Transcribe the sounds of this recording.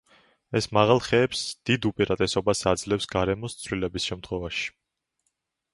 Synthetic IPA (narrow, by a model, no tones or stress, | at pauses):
ɛsmaʁalˠχɛːpsd̪̥id̪upʼiɾat̪ʼɛsɔbasad̪zlɛfsɡaɾɛmɔst̪sʰvlilɛbisʃɛmt̪ʰχwɛvaʃi̥